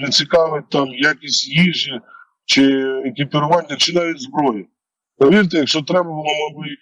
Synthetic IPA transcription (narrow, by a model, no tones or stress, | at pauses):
nɐt͡sʲikɑʋɪt̚ʲt̪ɑmjakʲisʲtʲjiʒɪ | t͡ʃɪekʲipʲiɾʊʋɑnʲːɐt͡ʃɪnɑʋʲitʲzbɾɔjɪ | pɔʋʲirt̪ejɐkʃt͡ʃɔt̪ɾɛbɐbʊlˠɔmˠɔbɪ